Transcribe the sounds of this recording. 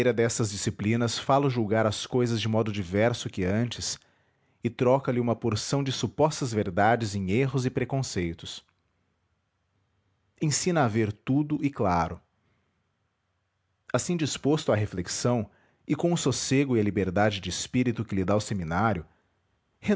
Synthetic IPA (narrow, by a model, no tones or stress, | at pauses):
ɾɐd̪ɛst̪ɐzd͡ʒisiplĩnɐsfalʊʒuwɡaɾɐskojzɐzd͡ʒɪmɔd̪ʊd͡ʒivɛɾsʊkɪɐ̃nt͡ʃɪs | ɪt̪ɾɔkɐlɪũmɐpoɾsɐ̃w̃d͡ʒɪsupɔst̪ɐzveɾd̪ad͡ʒɪzẽj̃eɦʊzɪpɾekõsejt̪ʊs | ẽsĩnɐːveɾt̪ud̪ʊʔɪklaɾʊ | asĩd͡ʒispost̪ʊaɦefleksɐ̃w̃ | ɪkõw̃ʊsoseɡʊɪɐlibeɾd̪ad͡ʒɪd͡ʒɪɪspiɾit̪ʊkɪlɪd̪aʊseminaɾjʊ | he